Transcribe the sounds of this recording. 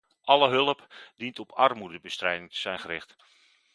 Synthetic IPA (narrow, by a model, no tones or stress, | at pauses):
ʔɑləɦɵlˠəpdintɔpʰɑrmudəbəstrɛjdɪŋtə̥z̥ɛjnχərɪχt